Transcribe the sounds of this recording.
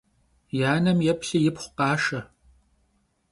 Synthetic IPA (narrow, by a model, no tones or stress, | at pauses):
jaːnɐmjɛpɬɨjɪpχʷqɑːʃɐ